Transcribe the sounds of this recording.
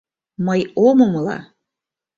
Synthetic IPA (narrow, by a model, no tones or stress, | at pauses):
mɤjoməmlɑ̰